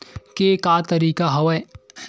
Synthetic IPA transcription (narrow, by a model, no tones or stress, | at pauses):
kekaːt̪ɐɾiːkaɦɐʋɐ